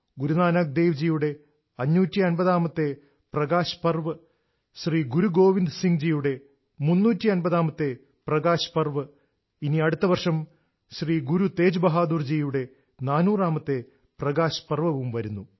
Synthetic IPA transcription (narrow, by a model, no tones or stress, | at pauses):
ɡuɾunaːnaːk̚d̪eːʋd͡ʑijuɽe̞ | ɐɲːuːtʲːiɐnbɐðaːmɐt̪ːe̞ | prɐɡaːɕɐ̥pɐrʋɐ | ɕriːɡuɾuɡo̞ːʋind̪siŋd͡ʑijuɽe̞ | munːuːtːiɐnbɐðaːmɐt̪ːe̞ | prɐɡaːɕɐ̥pɐrʋɐ | iniɐɽut̪ːɐʋɐrʂɐm | ɕriːɡuɾut̪e̞ːd͡ʑubɐɦaːd̪urd͡ʑijuɽe̞ | naːnuːraːmɐt̪ːe̞ | prɐɡaːɕɐ̥pɐrʋɐʋumʋɐɾunːu